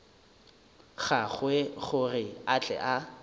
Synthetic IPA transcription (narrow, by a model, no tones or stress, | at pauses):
ɣaχweχʊrɪat͡ɬʼɛ̰ʔa